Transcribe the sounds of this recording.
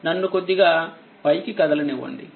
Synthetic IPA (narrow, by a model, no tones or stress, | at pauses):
nɐnːukod̪ːiɡaː | pɐjkikɐd̪ɐlɐneʋɐ̰ɳɖḭ